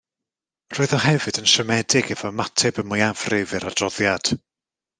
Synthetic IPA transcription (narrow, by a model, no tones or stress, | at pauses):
r̥oːɨðɔɦɛvɨdənʃəmɛdɪɡɛvɔmatʰɛbəmʊjav̥rɪvɨɾad̥rɔðjad̥